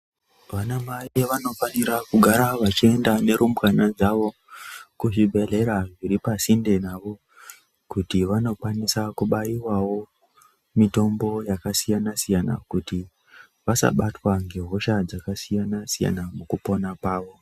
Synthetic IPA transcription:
ʋanamaiʋano̞faniɾakuɡʱaɾaʋat͡ʃie̞ndane̞ɾumkanad͡zaʋo̞ | kuʐibʱe̞ɮe̞ɾaʐiɾipasinde̞naʋo̞ | kutiʋano̞kwanisakuɓaiwawo̞ | mito̞mbo̞jakasijanasijana̰kuti | ʋasa̰ɓatwaŋɡe̞ɦo̞ʃad͡zakasijanasija̰namukupo̞napaːʋo̞

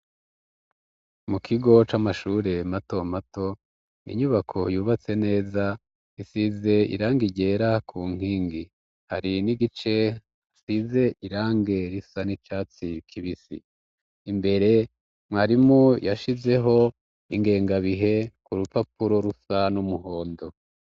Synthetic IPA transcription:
mukʰiɡo̞t͡ʃamaʃuːɾe̞mato̞mato̞ | nḭɲuβakʰo̞juːβat͡se̞ne̞ːza | isize̞ḭɾaːŋɡiɟe̞ːɾakʰuŋ̥iːŋɡi | haɾiniɡit͡ʃe̞ | asize̞ʔiɾaːŋɡe̞ɾisanit͡ʃaːt͡sikʰiβisḭː | mbe̞ɾe̞ | mŋaːɾimujaʃize̞ɦo̞ | iŋɡe̞ːŋɡaβiɦe̞kuɾupapuɾo̞ɾusanumuɦo̞ːndo̞

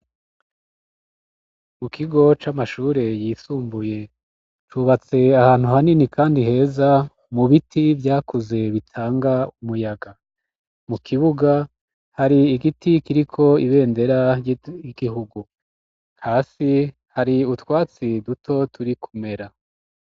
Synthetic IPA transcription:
mukʰiɡo̞t͡ʃamaʃuːɾe̞jiːsuːmbuje̞ | t͡ʃuβat͡se̞ahaːn̥huhaninikʰaːndiɦe̞ːza | muβitʰivjaːkuze̞βitʰaːŋɡaumujaɡa | mukʰiβuɡa | haɾiːɡitikiɾikʰo̞iβe̞ːnde̞ɾajiɡiɦuɡu | haːsi | haɾiutwaːt͡sidutʰo̞tʰuɾikʰume̞ɾa

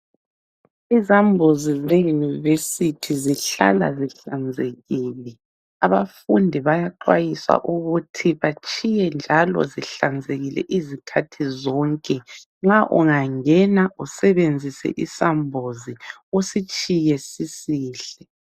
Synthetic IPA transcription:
izambʱozizejunivesitʰiziɬa̰la̰ziɬand͡zʱeɣiːlɛ | aβafundʱiβajaǃwa̰jiswa̰ʔuɣutʰiβat͡ʃʰʼijɛnd͡ʒʱalɔ̰ziɬand͡zʱeɣilɛ̰ʔizikʰatʰizɔːŋkʼɛ | ŋ͡ǁaʔṵŋaŋɛnausɛβend͡zʱisɛ̰ʔisambʱoziosit͡ʃʼijɛsisiːɬɛ

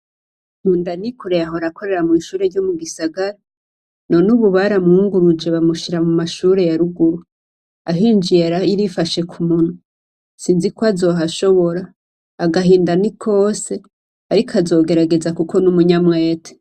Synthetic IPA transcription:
huːndanikuɾe̞jaɦo̞ɾako̞ɾe̞ɾamŋiːʃuːɾe̞ɾɟomuɡisaɡaɾa | no̞nuβuβaɾamuŋɡuɾud͡ʒe̞βamuʃiɾamumaʃuɾe̞jaɾuɡuɾu | aɦiːnd͡ʒieɾaiɾifaʃe̞kʰumun̥u | siːnzikoazo̞ːɦaʃo̞βo̞ɾaː | ɡaɦiːndanikʰo̞ːse̞ | aɾikoazo̞ːɡe̞ɾaɡe̞zakukʰo̞numuɲamŋe̞ːtʰe̥

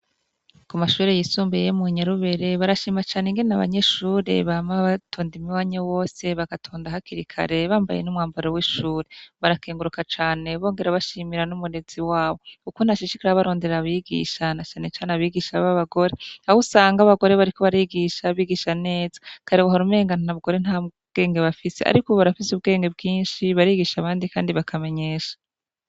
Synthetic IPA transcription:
kumaʃuːɾejisuːmbejemuiɲaɾuβeɾe̞βaɾaʃiːmat͡ʃaːneŋɡenenaβa̰ɲe̞ʃuːɾe̞̰βamaβatʰoːndimiwaːɲawo̞ːse̞βakatʰoːndaɦakiɾikʰa̰ɾe̞βaːmba̰jḛnumŋaːmbaɾowiʃuːɾeβaɾakeːŋɡuɾukat͡ʃaːne̞βo̞ːŋɡe̞ɾaβaʃimiɾanumuɾe̞z̥iwaːβo̞kukunaʃiʃikiɾaβaɾo̞ːndeɾaβiɡḭʃanat͡ʃaːne̞t͡ʃaːneaβiɡiʃaaβaɡo̞ɾeahusaːŋɡaβaɡo̞ɾe̞βaɾiko̞βaɾiɡiʃaβiɡiʃane̞ːzḁkʰaɾewaɦaɾume̞ːŋɡananaβɡo̞ɾen̥ha | ɡ̥e̞ːŋɡe̞βafise̞a̰ɾikoβaɾafisuβɡe̞ːŋɡe̞bɡiːnʃiβaɾiɡiʃaβaːndikaːndiβakʰame̞ɲe̞ːʃḁ

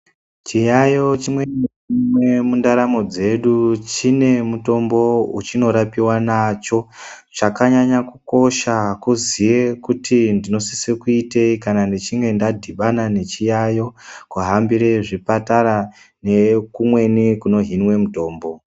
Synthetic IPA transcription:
t͡ʃijajo̞t͡ʃimwenit͡ʃimwe̞mundaɾamo̞d͡ze̞ɗut͡ʃine̞muto̞mbo̞ut͡ʃino̞ɾapiwanat͡ʃo̞ | t͡ʃakaɲaɲakuko̞ʃakuzije̞kutʰindino̞sisekuite̞ikanandet͡ʃiŋɡe̞ndadʱiɓanane̞t͡ʃijajo̞kuɦambiɾe̞ʐipataɾa | ne̞kumwe̞nikuno̞ɦinwe̞muto̞ːmbo̞

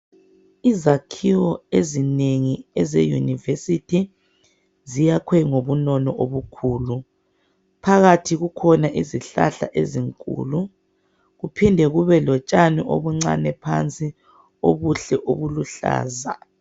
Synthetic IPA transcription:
izakʰiwɔezineŋiɛzejṵnivesitʰi | zijakʰwɛŋoβunɔnɔʔoβukʰuːlu | pʰaɣatʰiɣukʰɔnaʔiziɬa̰ɬa̰ʔeziŋkʼṵːlu | ɣupʰindʱɛɣuβɛlɔt͡ʃʼaniʔo̰βuŋ͡ǀa̰nɛpʰa̰nt͡sʼi | o̰βuɬɛʔo̰βuluɬa̰ːza̰

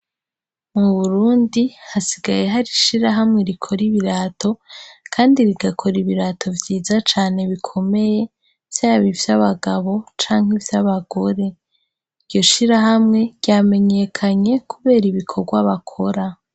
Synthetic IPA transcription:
muβuɾuːndihasiɡaje̞ɦaɾiʃiɾaɦamŋe̞ɾikʰo̞ɾiβiɾaːto̞kʰaːndiɾiɡakʰo̞ɾiβiɾaːtʰo̞vjiːzat͡ʃaːne̞βikʰo̞me̞je̞ | v̥jaːβivjaβaɡaβo̞t͡ʃaːŋ̥hivjaβaɡo̞ɾe̞ | ijo̞ʃiɾaɦamŋe̞̥jame̞ɲe̞kʰaɲe̞kuβe̞ːɾiβikʰo̞ɡwaβakʰo̞ɾa

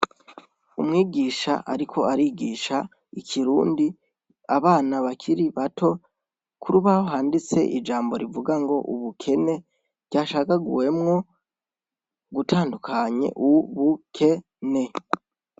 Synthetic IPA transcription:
umŋiːɡiːʃa̰ʔa̰ɾikʰo̞aɾiːɡiːʃa | ikʰiɾuːndi | aβaːnaβakʰiɾiβatʰo̞ | kʰuɾuβahoɦaːndit͡se̞̰ʔid͡ʒaːmbo̞̰ɾivuɡaŋɡo̞ʔuβukʰe̞ne̞̥ | ɟ̥aːʃakaɡuwe̞mŋo̞ | ɡutʰaːndukʰaɲe̞̰ʔuβukʰe̞ | ne̞

